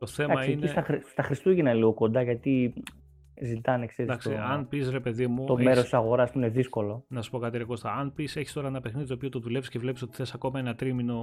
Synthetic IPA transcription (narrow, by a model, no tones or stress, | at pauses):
t̪o̞θe̞ɐmɐineiɐɾit̪ɐxɾist̪uʝinɐnliɣoko̞nd̪ɐʝɐt̪i | zit̪ɐnekseɾid̪ɐksiɐnpisɾe̞pe̞ðimut̪ommeɾost̪i̥sɐɣo̞ɾɐspuine̞ðisko̞lonɐsu̥po̞kɐt̪iɾeɣost̪ɐɐnpise̞çi̥st̪o̞ɾɐenɐpe̞xniðit̪opiot̪oðule̞vi̥scevle̞piso̞t̪i̥θe̞sɐko̞mɐe̞nɐt̪ɾimino̞